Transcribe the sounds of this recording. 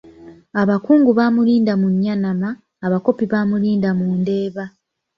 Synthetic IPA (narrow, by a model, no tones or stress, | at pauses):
aβakuːŋɡuβaːmuliːndamuɲːanamaː | βako̞piβaːmuliːndamuːnde̞ːβa